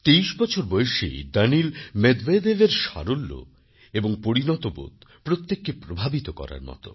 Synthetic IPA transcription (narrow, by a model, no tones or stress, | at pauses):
t̪ejʃbɔt͡ɕʰoɾbojeʃḛd̪anilmed̪ved̪eveɾʃa̰ɾolːo̰ | eboŋpoɾinɔt̪obo̰d̪pɾot̪ːekːepɾobʱabit̪okɔ̰ɾa̰ɾmɔ̰t̪o̰